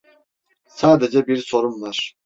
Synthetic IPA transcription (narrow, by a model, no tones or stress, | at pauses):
saːd̪ed͡ʒɛbiɾso̞ɾumvaɾ̥